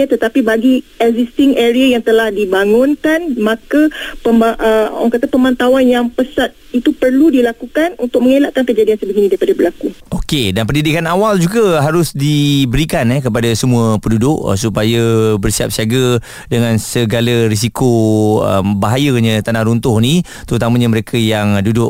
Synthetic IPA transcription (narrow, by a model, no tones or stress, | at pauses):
ət̪ət̪apibaɡiɛɡzist̪ɪŋeɾiajaŋt̪əlahdibaŋʊnkanmãkapəmbaʔəŋkat̪apəmãnt̪awanjaŋpəsat̪̚it̪upərludilakukanunt̪ʊk̚məŋelaʔkankəd͡ʒadiansəbəɡinĩdaɾipadabəlakuokedanp̬ərndidikanawald͡ʒuɡəɦaɾʊsdibəɾikanɛkəp̬adasəmũəpəndudʊʔsupajəbərsia̰p̚siaɡə | dəŋãnsəɡalaɾis̬ikoə̰mbaɦajəɲə̃t̪anahɾunt̪ʊhnĩ | t̪əɾut̪amə̃ɲə̃məɾekʰəjaŋdudʊʔ